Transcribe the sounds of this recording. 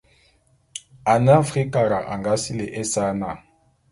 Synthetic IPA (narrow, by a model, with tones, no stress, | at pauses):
a˨na˦fχi˦ka˨ɾa˨ʔa̰˨ŋɡa˦si˦lɛ˨ʔɛ˦sa˦na˨